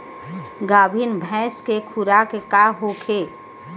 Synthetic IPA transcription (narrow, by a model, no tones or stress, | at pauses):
ɡaːbʱinbʱɛ̃ːskekʰuɾakekaɦokʰe